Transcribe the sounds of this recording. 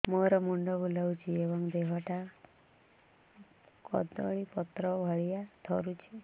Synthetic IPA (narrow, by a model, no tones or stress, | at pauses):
moɾɔmuɳɖɔbulawt͡ʃʰiebɔŋd̪eɦɔʈa | kɔ̰d̪ɔ̰ɭ̃ipɔt̪ɾɔbʱɔɭijat̪ʰɔɾut͡ʃʰi